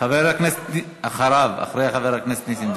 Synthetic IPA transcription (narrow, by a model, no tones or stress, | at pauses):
aveɾhakneset̪ | aχaɾava̰χɾejaχaveɾhakneset̪nisim